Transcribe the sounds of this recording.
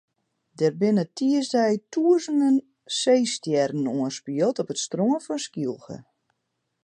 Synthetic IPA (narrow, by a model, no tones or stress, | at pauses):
dɛrbɪnətʰiəsdɛjtʰuəzəndən | seːstjɛɾn̩uənspiəlˠtɔpətstroənfɔnskilˠxə̰